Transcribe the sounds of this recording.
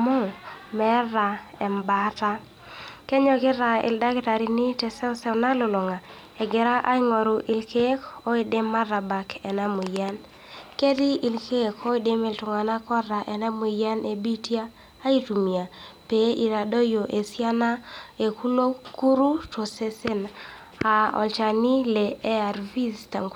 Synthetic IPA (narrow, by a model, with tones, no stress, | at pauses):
mʊ˦mɛ˦ɾa˨ɛ˨mba˨˦ta˦ | ke˦ɲɔ˨kɪ˦ɾa˨ɪ̰˨lda˦ki˦ta˨ɾi˨nɪ˦tɛ˨sɛ˦ɔ˦sɛ˦na˦lʊ˨lɔ˨ŋa˨ | ɛ˨ɡɪ˨ɾa˦ʔa˦i˦ŋo˨ɾʊ˨ʔi˨lke˦ko˦i˦˨de˦mːa˦ra˨ba˨kɛ˨na˦mʊ˨ja˦n | ke˦di˦i˨lke˦kʰo˦i˦de˦me˨ltʊ˨ŋa˨na˦kɔ˦ɾa˨ʔɛ˨na˦mu˨ja˦ne˨bi˦tjaː˦ | i˦tu˨mi˨a˨pe˨˦ʔi˨ɾa˨do˦jo˨ʔe˨sja˦na˦e˨ku˦lo˦ku˦ɾu˦to˨se˦se˦n | a˨ɔ̰˨lt͡ʃa˨ni˦le˨ɛ˦a˨ɾvi˦sta˨ŋk